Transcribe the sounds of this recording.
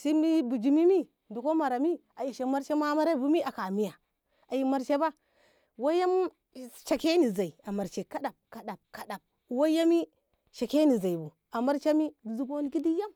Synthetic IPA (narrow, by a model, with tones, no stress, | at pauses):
si˦mi˦bu˨d͡ʒi˨mi˦mi˦ | du˨ko˦ma˨ɾa˨mi˦a˨ji˨ʃe˨ma˦ɾt͡ʃe˦ma˦ma˦ɾa˦bu˦mi˦a˨ka˨mi˦ja˨ | a˨ji˨ma˦ɾt͡ʃe˦ba˦ | wa˦ja˦m | ʃa˨ke˦ni˨za˨i˨a˨ma˨ɾt͡ʃe˨ka˦ɗa˨b̚ka˨ɗa˨b̚ka˨da˨b̚wa˦ja˦mi˦ | ʃa˨ke˦ni˨za˨i˨bu˨ | a˨ma˦ɾt͡ʃa˦mi˦di˨zu˦bo˦n˦ɡi˦di˦ja˦m